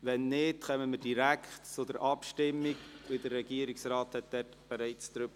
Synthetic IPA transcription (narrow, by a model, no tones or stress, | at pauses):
ʋɛnːɪtχɛməməd̥iɾækʰtt͡sʊdəɾʔɑpʃtɪmːiɡʋɪdərːɛɡ̥iəɾiksrɑːthɛt̚d̥̪ɛtb̥ɛɾɛɪt͡sd̥̪ɾybə